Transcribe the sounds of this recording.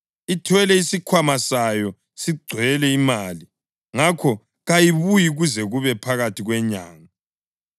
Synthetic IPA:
itʰwɛlɛisikʰwamasajɔ | siɡ͡ǀʱwɛlɛimaːli | ŋakʰɔ | ɣajiβujiɣuzɛɣuβɛpʰaɣatʰiɣwɛɲa̰ːŋa

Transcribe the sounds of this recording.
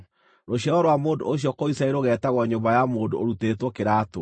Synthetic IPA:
ɾoɕjɔɔɾwamoːndo̰oɕ̬jɔkoisaeɾoɣɛtaɣwɔɲombajamoːndooɾutetwɔkeɾaːto

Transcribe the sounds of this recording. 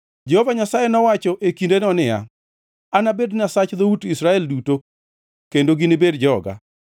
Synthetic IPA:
d͡ʒehovaɲasajenɔwat͡ʃɔʔekindenɔnɪja̰ | anabedɲasat͡ʃd̪outisɾaɛlduto | kendoɡinɪbedd͡ʒɔɡa̰

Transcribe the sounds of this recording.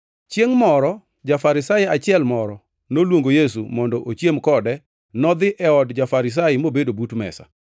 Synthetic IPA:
t͡ʃjeŋmɔɾɔ | d͡ʒafaɾɪsaat͡ʃɪɛlmɔɾɔ | nolwoŋɡojesṵmɔndɔʔot͡ʃjemkɔdɛ | nɔd̪ɪʔɛɔdd͡ʒafaɾɪs̬ajɪmobedobutmɛ̰sa̰

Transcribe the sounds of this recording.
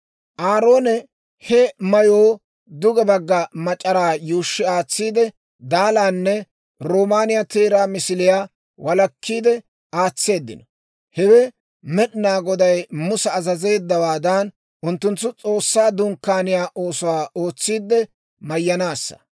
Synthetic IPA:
ʔaːɾo̞ːnɛ | hɛmɐjoː | d̪ʊɡɛbɐɡːɐmɐt͡ʃʼɐɾaːjuːʃːɪaːt͡sːiːd̪ɛ | d̪aːlaːnːɛ | ɾoːmaːnɪjat̪eːɾaːmɪsɪlɪjaː | wʔɐlɐkːiːd̪ɛ | aːt͡sːe̞ːd̪ːɪ̰nɔ | hɛwɛ | mɛɗnaːɡɔd̪ɐjmʊsɛɐzɐze̞ːd̪ːɐwaːd̪ɐn | ʔʊnt̪ːʊnt̪ːʊt͡sʼo̞ːsːaːd̪ʊŋkːaːnɪjaːʔo̞ːsʊwaːʔo̞ːt͡sːiːd̪ːɛ | mɐjːɐnaːsːɐ̥̰

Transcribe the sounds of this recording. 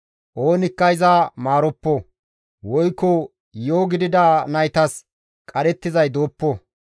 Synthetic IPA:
ʔo̞ːnɪkːɐɪzamaːɾɔpːɔ | wɔjkːɔ | joːɡɪd̪ɪd̪aːnɐjt̪ɐs | kʼɐɾɛt̪ːɪzɐjd̪o̞ːpːɔ

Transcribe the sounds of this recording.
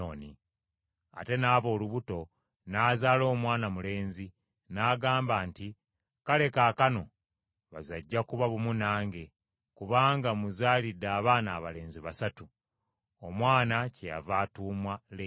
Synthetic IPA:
oni | a̰te̞naːβo̞ːluβuto̞ | naːzaːlo̞ːmwaːnamule̞ːnzi | naːɡaːmbaːnti | kale̞kaːkano̞ | βa̰zaɟːakuβaβumunaːŋɡe̞ | kuβaːŋɡamuzaːlidːaːβaːnaːβale̞ːnziβasatu | omwaːnaceja̰vaːtuːmwale

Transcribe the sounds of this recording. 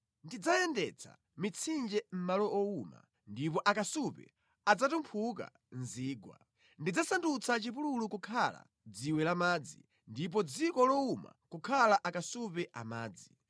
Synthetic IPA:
ndid͡zajɛndɛ̰t͡sʰa̰ | mit͡sʰind͡ʒɛm̩malɔɔuma̰ | ndip̬ɔʔakasupɛ̰ | ad͡zatumpʰuka̰ | nziːɡwa̰ | ndid͡zasandut͡sʰat͡ʃipululukukʰala̰ | d͡ziwɛlamaːd͡zḭ | ndip̬ɔd͡zikɔlɔuma̰kukʰalaʔakasupɛʔa̰ma̰ːd͡zi

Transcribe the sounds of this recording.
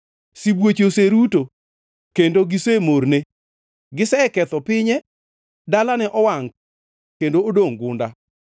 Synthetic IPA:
sibwet͡ʃoseɾuto | kendoɡɪsemorne | ɡɪsɛkɛt̪ɔpɪɲɛ | dalanɛʔɔwaŋ | kendoodoŋɡʊnda

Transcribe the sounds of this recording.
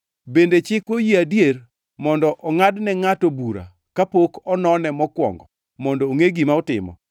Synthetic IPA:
bendet͡ʃɪkwojiadjer | mɔndɔʔɔŋadnɛŋatobuɾa̰ | kapokɔnɔnɛmɔkwɔ̰ŋɡɔ | mɔndɔːŋeɡimaɔtɪ̰mɔ̰

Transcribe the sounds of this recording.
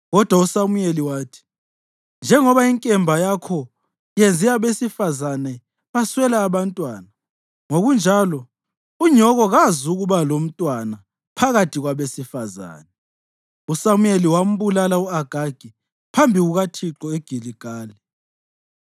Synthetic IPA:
ɣɔd̥ʱwausamujeliwaːtʰi̥ | nd͡ʒʱɛŋɔβaiŋkʼɛmbʱajakʰɔ | jend͡zʱiaβesifazanɛ | βaswɛlaːβantʼwaːna | ŋoɣund͡ʒʱalɔ | uɲɔɣɔɣazuɣuβalom̩tʼwana | pʰaɣatʰiɣwaβesifaza̰ːnɛ | usamujeliwam̩βulalauaɡ̥ʱaɡ̥ʱi | pʰambʱiɣuɣatʰiǁɔeɡ̥ʱiliɡ̥ʱaːli

